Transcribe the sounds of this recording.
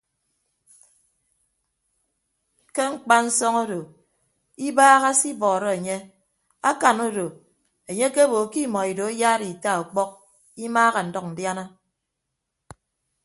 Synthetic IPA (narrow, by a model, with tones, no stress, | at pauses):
ke˦ŋ͡m̩˦˨k͡pa˦n̩˦sɔ˦ŋo˦do˨ | i˦baː˦ɣa˦si˦bɔː˨ɾɔ˦e˨ɲe˦ | a˦ka˨no˦do˨ | e˨ɲe˦ke˦bo˨ki˦mɔ˨i˨do˨e˦jaː˦ɾi˨ta˦˨o˨k͡pɔ˦k̚ | i˦maː˦ɣa˨n̩˨dɔ˦k̚n̩˨dja˦na˦